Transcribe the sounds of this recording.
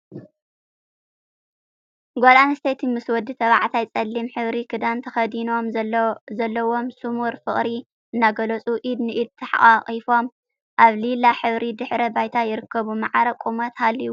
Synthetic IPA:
ɡʷolanɨst̪ʰet̪ʰimɨswɔd̪it̪ʰɐβʕat̪ʰajt͡sʼɐlːimħɨβɾikʰɨd̪ant̪ʰɐxɐd̪ino̞mzɐlːɐwo̞msɨmuɾfɨχʼɾi | ʔɨnːaɡɐlɐt͡sʼuʔid̪nɨʔid̪̚t̪ʰɐħa̰ʔʼaχʼifo̞m | ʔaβlilaħɨβɾid̪ɨħɾɐbajt̪ʰajɪɾɨkʰːɐβumaʕaɾɐkʼumɐt̪halːiwu

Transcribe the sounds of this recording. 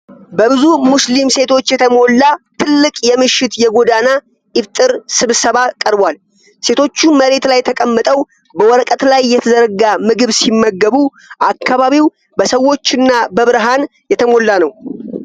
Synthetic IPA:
bəβɨzumuslimse̞t̪ʰo̞t͡ʃːjɛt̪ʰəmo̞lːat̪ʰɨlːɨkʼjɛmɨʃːɪt̪jɛɡo̞d̪ana | ʔɪβt̪ʼɨɾsɨβsəβakʼəɾbal | se̞t̪ʰo̞t͡ʃːuməɾe̞t̪lajːt̪ʰəkʼəmːət̪ʼəw | bəwɔɾəkʼət̪lajːɛt̪ʰəzəɾɡamɨɡɨβsimːəɡːəβu | ʔakːaβaβiw | bəsəwːo̞t͡ʃːɪnːabəβɨɾɦan | jɛt̪ʰəmo̞lːanəw

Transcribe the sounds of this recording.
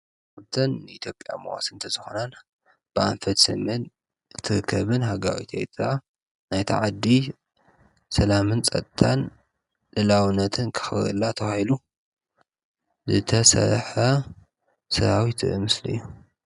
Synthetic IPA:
ɨbt̪ʰɐnːɨit̪ʰjo̞pʼja̰mowa̰sɨnt̪ʰɐzɨxo̰nan | b̥ɨʔa̰nfɐt̪sɨ̰mɨn | ɨt̪ʰɨɾɨkʰːɐβɨnhaɡaɾḭt̪ʰḛjt̪ʰa | najt̪ʰa̰ʕad̪ːi | sɐlamɨnt͡sʼɐt̪ʼt̪ʰan | lɨlawɨnːɐt̪ʰɨnkʰɨ̥xɨ̰lːat̪ʰɐwahilu | zɨt̪ʰɐsɐ̰ɾħɐ | sɐɾawit̪ʰɨ̰ʔɨmɨslɨ̰jːu

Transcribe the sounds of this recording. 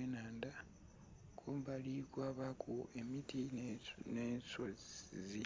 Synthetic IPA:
enaːnda | kʰombalikwaβakʰoʔe̞mitinensoizi

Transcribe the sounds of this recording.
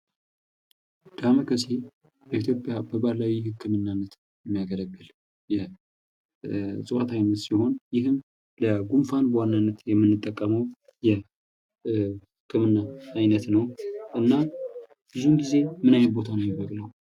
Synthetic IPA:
d̪̥aməkʰəse | bəit̪ʰjo̞pʼjabəbaɾlawhɨkʰːɨmɨnːanːət̪ | jɛmːijaɡələɡːɨl | jɛ | sʼɨwat̪ʰajnət̪siho̞njɪɦɨm | ləɡumfanbəwanːanːət̪jɛmːɨnːɨt̪ʼːəkʼːəməw | jɛ | hhɨkʰːɨmɨnːaːjnət̪nəwʔɨnːa | b̥ɨzunɡize̞mɨnajɛnbo̞t̪ʰanəwjɛbəkʼləw

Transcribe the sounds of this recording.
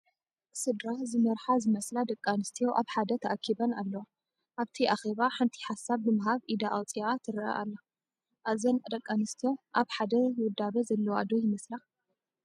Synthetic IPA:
sɨd̪ɾazɨmɐɾħazɨmɐslad̪ɐkʼːanɨst̪ʰijoʔaβħad̪ɐt̪ʰɐʔakʰːibɐnalːɐwa | ʔaβt̪ʰiʔaxeβaħɨnt̪ʰi̥ħasːaβnɨmɨɦaβʔid̪aʔawt͡sʼiat̪ʰɨɾʔa̰ʔa̰lːa | ʔazɐnd̪ɐkʼːanɨst̪ʰijo̞ʔaβħad̪ɐwʊd̪ːaβɐzɐlːɐwad̪ojɪmɐsla

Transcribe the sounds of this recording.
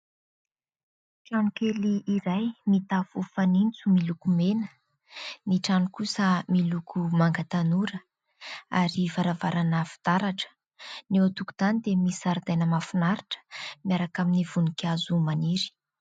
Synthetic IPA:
ʈ͡ʂanukeliʔiɾajmit̪afufanint͡sumilukumenə̥ | niʈ͡ʂanukusəmilukʰumaŋɡat̪anuɾə | a̰ɾivaɾavaɾanafi̥t̪aɾaʈ͡ʂə̥ | newat̪uku̥z̥anid̪emisaɾid̪ajnəmafunaɾiʈ͡ʂə̥miaɾakaminivunikazumaniɾi̥

